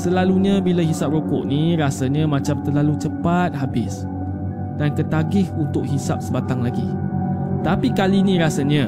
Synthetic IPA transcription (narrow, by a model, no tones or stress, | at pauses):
səlaluɲãbilaɦisap̚rokɔ̰ʔniɾasaɲãmãt͡ʃamt̪ərlalut͡ʃəpat̪̚ɦabɪs | d̥ankət̪aɡɪhunt̪ʊk̚ɦisap̚səbat̪aŋlaɡi | t̪apikalinĩɾasaɲã